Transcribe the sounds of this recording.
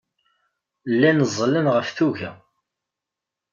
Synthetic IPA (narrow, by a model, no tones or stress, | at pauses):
lːænəzˤːlənʁəfθuʝæ